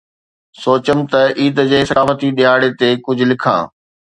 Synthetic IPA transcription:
soːt͡ɕəmt̪ɐiːd̪d͡ʑeːsɐkaːfət̪iɗiɦaːɽet̪ekʊd͡ʑʱʊ̆lɪkʰã̰ː

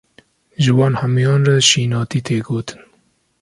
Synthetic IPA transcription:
ʒɨwɑːnhæmjɑːnraʃiːnɑːt̪iːt̪ʰeːɡoːt̪ʰɨ̥n

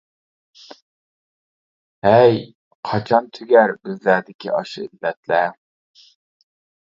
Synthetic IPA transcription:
hɛj | qʰɑt͡ʃʰɑnt̪ʰyɡʲæɾbɪzlæɾd̪ɪkʲʰiʔɑʃɨ̰ilːɛt̪lɛ

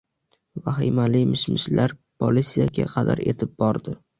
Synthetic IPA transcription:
vahɪmalɪjmɪʃmɪʃlaɾpʰolit̪sijaɡʲa̰qʰɑd̪a̰ɾe̞̰t̪ʰɪp̚bɒɾd̪ɪ

